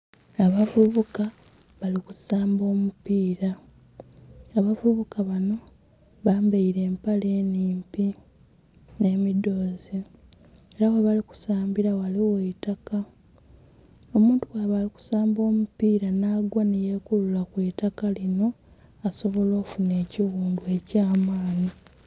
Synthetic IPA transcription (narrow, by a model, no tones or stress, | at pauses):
aβavuβuka | βaliku̥saːmbo̞ːmupiːɾa | aβavuβukaβano̞ | βaːmbaiɾe̞ːmpaleːniːmpi | ne̞ːmido̞ːzi | eɾaweβaliku̥saːmbiɾawaliwetaka | omuːntuwaːβaliku̥saːmbo̞ːmupiːɾanaːɡwanije̞ːkululakwe̞ːtakalino̞ | aso̞βo̞lo̞ːfune̞ːciɣuːndue̞caːmaːni